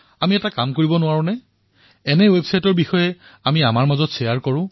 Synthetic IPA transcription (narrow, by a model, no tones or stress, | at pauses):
amiɛtakamkoɹibɔnʊwaɹʊ̃nɛ | ɛnɛwebsajtɔɹbixɔjɛamiamaɹmazɔtsɛjaɹkɔɹʊ̃